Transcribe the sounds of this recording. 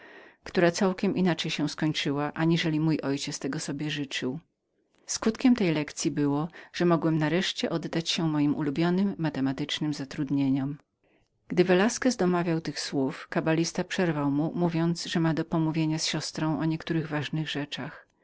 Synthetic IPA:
kt̪uɾat̪sawkʲɛmʔinat͡ʂɛjɕɛ̃skɔɲt͡ʂɘwaʔaɲiʐɛlʲimujʔɔjt͡ɕɛt̪st̪ɛɡɔsɔbʲjɛʐɘt͡ʂɘw | skut̪kʲɛmt̪ɛjlɛkt̪sʲjibɘwɔʐ̥ɛmɔɡwɛmnaɾɛʂt͡ɕɛʔɔd̪ːat͡ɕɕɛmɔjimʔṵlubʲjɔnɘmːat̪ɛmat̪ɘt͡ʂnɘmzat̪ɾud̪ɲeɲɔm | ɡ̥d̪ɘvɛlaskɛzd̪ɔmavʲjawt̪ɘxswufkabalʲist̪apʂɛɾvawmumuvʲjɔnt̪sʐɛmad̪ɔpɔmuvʲjeɲasɕɔst̪ɾɔ̃w̃ʔɔɲɛkt̪uɾɘɣvaʐnɘɣʐɛt͡ʂax

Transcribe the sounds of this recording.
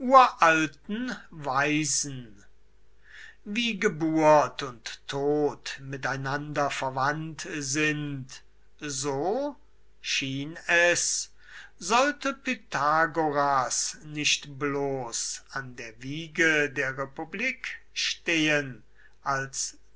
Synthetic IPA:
ʔuːɐʔaltn̩vaɪzn̩ | viːɡəbuːɐtʊntʰːoːtmɪtaɪnandɐfɛɐvantzɪnt | zoː | ʃiːnɛs | zɔltəpetʰaɡoʁasnɪʃtbloːsandeːɐviːɡədeːɐʁepubliːk | ʃteːən | ʔals

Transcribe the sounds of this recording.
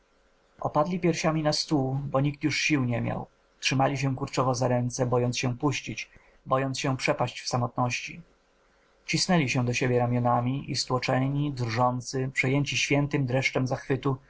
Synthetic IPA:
ʔɔ̰pad̪lʲipʲjɛɾɕamʲinast̪ubɔɲik̚t̪juʂɕiwɲɛmʲja̰w | tʂɘmalʲiɕ̬ɛkuɾt͡ʂɔvɔzaɾɛnt̪sɛbɔjɔnt̪sɕɛpuɕt͡ɕit͡ɕ | bɔjɔnsɕɛpʂɛpaɕt͡ɕfsamɔt̪nɔɕt͡ɕḭ | t͡ɕisnɛlʲiɕɛ̃d̪ɔɕebʲjɛɾamʲjɔnamʲiʔist̪wɔt͡ʂɛɲid̪rʐɔnt̪sɘpʂɛjɛɲt͡ɕiɕfʲjɛnt̪ɘmd̪ɾɛʂt͡ʂɛmzaxfɘt̪u

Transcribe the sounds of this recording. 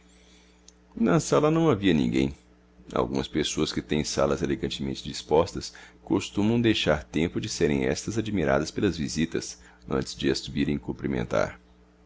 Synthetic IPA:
nɐsalɐnɐ̃w̃aviɐnḭ̃ɡḛ̃j̃ | a̰wɡũmɐspesoɐskɪt̪ẽj̃sa̰lɐzeleɡɐ̃nt͡ʃɪmḛ̃nt͡ʃɪd͡ʒispɔst̪ɐskost̪ũmɐ̃w̃d̪ejʃaɾt̪ẽmpʊd͡ʒɪseɾẽj̃ɛ̰st̪ɐzad͡ʒimiɾa̰d̪ɐspelɐzvizit̪ɐ̰s | ɐ̰̃nt͡ʃɪzd͡ʒɪɐsubiɾẽj̃kõmpɾimḛ̃nt̪a̰ɾ

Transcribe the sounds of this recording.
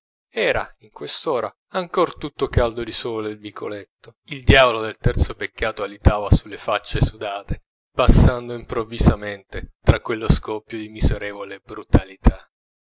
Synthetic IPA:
ɛːɾaiŋkwest̪oːɾa̰ | aŋkort̪ut̪ːokald̪od̪isɔːlelvikʰo̰let̪ːo | ild̪jaːvolod̪elt̪ɛrt̪sopekːaːt̪oalit̪aːvasulːefat͡ʃːesud̪aːt̪e | pasːand̪oimpɾovːizament̪et̪ɾakːwelːoskɔpːjod̪imizeɾɛːvolebɾut̪alit̪ʰa

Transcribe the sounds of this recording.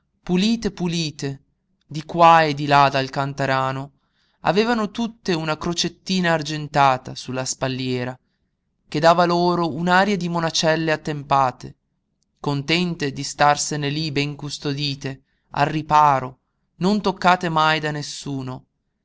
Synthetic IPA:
puliːt̪epuliːt̪e | d̪ikwaed̪ilad̪alkant̪aɾaːno | a̰veːvanot̪ut̪ːeunakɾot͡ʃet̪ːiːnaːrd͡ʒent̪aːt̪asulːaspalːjɛːɾa | k̟ed̪aːvaloːɾounaːɾjad̪imonat͡ʃɛlːeat̪ːempaːt̪ḛ | kont̪ɛnt̪ed̪ist̪arsenelibɛŋkust̪od̪iːt̪e | a̰lrːipaːɾo | nont̪okːaːt̪emajd̪anesːuːno

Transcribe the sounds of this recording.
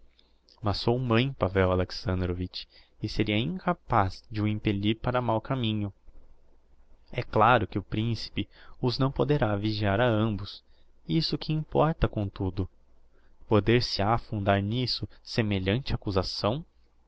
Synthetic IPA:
mɐsːowmɐ̃j̃pavɛwaleksɐ̃nd̪ɾovit͡ʃ | ɪseɾiɐĩŋkapazd͡ʒɪʊẽmpeʎiɾpaɾɐmawkamĩɲʊ | ɛklaɾʊkɪʊpɾĩsi̥pɪʊznɐ̃w̃pod̪eɾaviʒiaɾɐɐ̃mbʊs | isʊkɪĩpɔɾt̪ɐkõt̪ud̪ʊ | pod̪eɾsɪafũd̪aɾnisʊsemeʎɐ̃nt͡ʃɪakuzasɐ̃w̃

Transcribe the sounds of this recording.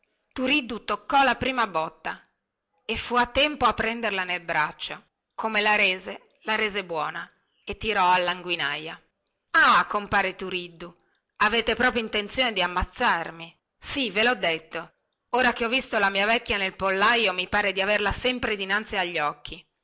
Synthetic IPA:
t̪uɾid̪ːut̪okːɔlapɾiːmabɔt̪ːa | efːuat̪ːɛmpoapːɾɛnd̪erlanelbɾat͡ʃːo | kʰomelaɾeːze | laɾeːzebwɔːna | et̪ːiɾɔalːaŋɡwina̰ja | akompaːɾet̪uɾid̪ːu | aveːt̪epɾɔːpɾjoint̪ent̪sjoːned̪iamːat̪sːarmi | sivelɔd̪ːet̪ːo | oːɾakeɔvːist̪olamiːavɛkːjanelpolːajomipaːɾed̪iaverlasɛmpɾed̪inant̪siaʎːɔkːi

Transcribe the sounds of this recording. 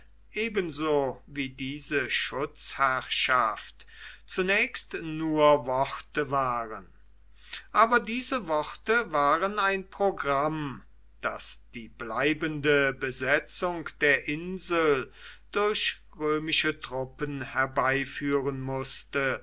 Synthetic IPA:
ʔeːbənzoːviːdiːzəʃʊt͡shɛɐʃaftt͡sunɛːçstnuːɐvɔʁtəvaːʁən | ʔaːbɐdiːzəvɔʁtəvaːʁənaɪnpʁ̥oɡʁam | d̥asd̥iːblaɪbəndəbəzɛt͡sʊŋkd̥eːɐʔɪnzl̩d̥ʊɐç | ʁøːmɪʃətʁ̥ʊpənhɛɐbaɪfyːʁənmʊstə

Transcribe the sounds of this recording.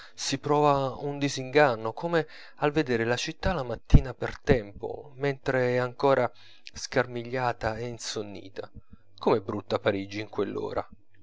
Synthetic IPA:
sipɾɔːvaund̪iziŋɡanːokoːme | alved̪eːɾelat͡ʃit̪ːalamat̪ːiːnapert̪ɛmpo̰ment̪ɾeɛaŋkoːɾʔa | skarmiʎːaːt̪aeinsonːḭːt̪ʰa | komɛbɾut̪ːapaɾiːd͡ʒiːŋkwelːo̰ːɾʔa̰

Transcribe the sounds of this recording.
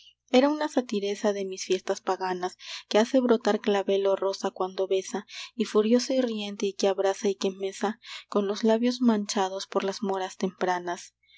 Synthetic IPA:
e̞ɾaunasat̪iɾe̞saðe̞misfje̞st̪aspaɣanaske̞ase̞βɾo̞t̪aɾklaβe̞loro̞sakwand̪o̞βe̞saifuɾjo̞sairje̞nt̪eikeaβɾasaike̞me̞sako̞nlo̞zlaβjo̞zmãnt͡ʃað̞o̞spoɾlazmo̞ɾast̪e̞mpɾanas

